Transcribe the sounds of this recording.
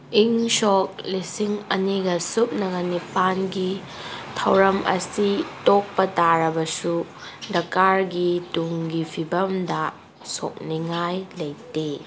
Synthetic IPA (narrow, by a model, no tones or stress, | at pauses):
iŋsok̚lisiŋɐniɡɐsup̚nɐɡɐnipanɡi | tʰɐwɾɐmʔɐ̰sitok̚pɐtaɾɐbɐsu | dɐkːaɾɡituŋɡipʰibɐmdɐ | so̰k̚niŋajlɐjte